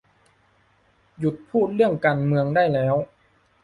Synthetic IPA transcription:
ju˨˧˩t̪̚pʰuː˥˩t̪̚lɯ˥˩əŋkaː˧nmɯ˧əŋda˥˩jlɛː˦˥w

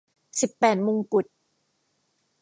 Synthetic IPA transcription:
si˨˩pːɛː˨˩t̪̚moː˧ŋku˨˩t̪̚

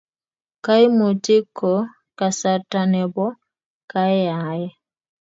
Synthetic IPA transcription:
ka˦i˦mo˨ti˦kʰɔ˨ | ka˨sa˨ta˨nɛ˨bɔ˦ | ka˦ɛ˦a˨˦jɛ˦

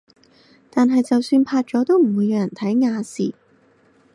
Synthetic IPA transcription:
t̪aː˨nɦɐ˨jt͡sɐ˨wsyː˧npʰaː˧t̚t͡sɔː˨˥t̪o˥wm̩˨˩wuː˨˧jːaː˧jɐ˨˩nt̪ʰɐ˨˥jŋaː˨˧siː˨˩

